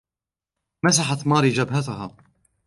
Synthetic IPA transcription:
mas̬aħat̪mɑːɾid͡ʒabɦat̪ʊɦaː

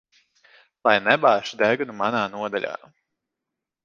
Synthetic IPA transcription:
lˠajnɛbaːʃud̪ɛɡunumanaːnuɔd̪alʲa̰ː

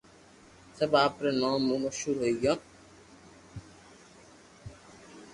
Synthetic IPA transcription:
səbaːpɾeːnãːmːũːməʃhuːɾɦoiɡjãː

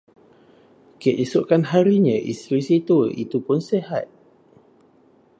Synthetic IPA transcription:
kiʔisuʔkanɦaɾiɲə̃ʔḭst̪ɾisit̪uḭt̪upʊnsehat̪̚

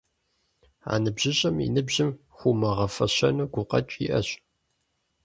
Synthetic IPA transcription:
a̰ːnɨbʑɪɕʼɐmḭnɨbʑɪm | xʷumɐʁɐfɐɕɐnuɡʷʊqʼɐ̰t͡ʃʼḭʔɐɕʼ

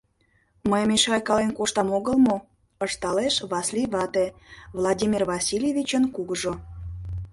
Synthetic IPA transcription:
məjmeʃɑjkɑlenkoʃt̪ɑmoɣəlˠmo | əʃt̪ɑleʃβɑslʲivɑt̪evlˠɑdʲimʲirvɑsʲilʲjevʲit͡ɕənkuɣəʒo

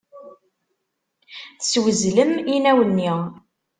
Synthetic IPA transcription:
θswəzləminæwənːi

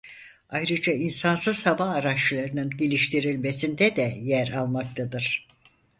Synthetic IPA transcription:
ajɾɯd͡ʒainsansɯz̥habaːɾaʃlˠaɾɯnɯnɟelʲiʃt̪ʰiɾilʲme̞sind̪ɛd̪ɛjæɾalˠmak̚t̪ʰad̪ɯɾ̥

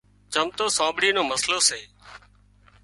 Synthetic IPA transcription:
d͡ʒəmt̪oːsãːbɽiːnoːməsloːseː

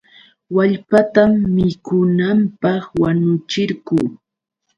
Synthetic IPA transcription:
waʎpat̪amːɪkʊnampɑχwaɲʊt͡ʃɪɾɢʊː

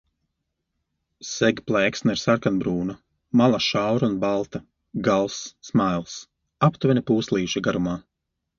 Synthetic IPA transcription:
sɛɡʲplˠɛːksnaiɾsaɾkanbɾuːna | malˠaʃawɾunbalˠt̪a | ɡalˠsːmajlˠs | apt̪vɛnʲipuːslˠiːʃaɡaɾumaː

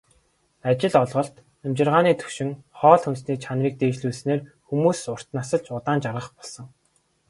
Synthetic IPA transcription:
at͡ɕɪ̆ɮɔɮʁɞ̆ɬt̪ | emt͡ɕɪ̆rʁaːniːt̪ʰɵ̥ʃɪ̆ŋχɔːɮxunsniːkt͡ɕʰanriːk̚t̪eːt͡ɕɮuːsneːrxumuːsʊr̥t̪nasə̆ɮt͡ɕʊt̪aːnt͡ɕarʁə̆χpɔɮsɞ̆ŋ

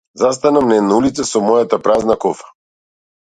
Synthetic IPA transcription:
zas̬t̪anamnɛd̪naulit̪sɛsɔmɔjat̪apɾaznakɔfḁ

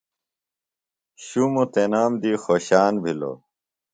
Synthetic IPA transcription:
ɕumot̪enaːmd̪iːxoɕaːnbʱilo̰

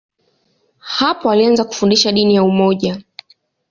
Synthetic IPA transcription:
hapɔalianzaku̥fundiʃaɗinijaumɔʄa

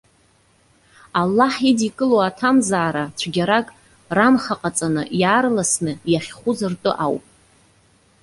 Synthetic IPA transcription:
alːaħidikʼɨloatʰamzaːɾat͡ɕʷʰɡʲaɾakʼ | ramχaqʼat͡sʼanɨjaːrlasnɨjaχʲχʷʊzɨrtʼɨ̰ʔawpʼ

